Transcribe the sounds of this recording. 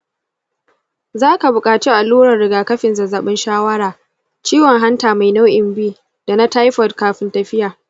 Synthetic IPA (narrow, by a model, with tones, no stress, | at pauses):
zaː˦ka˨bʊ˨kʼaː˨t͡ʃi˦ʔa˨luː˦ɽɐ˨rɽɪ˨ɡaː˨kɐ˦ɸɪ˨nzɐ˨zaː˨ɓɪ˦nʃaː˦wɐ˦ɽaː˨ | t͡ʃiː˦wɔ˨ŋɦa˦ntaː˨ma˨jna˦wʔɪ˨mbiː˦ | d̥a˨na˦ta˦jɸɔ˨dkaː˨ɸɪ˦ntɐ˨ɸɪ˦jaː˨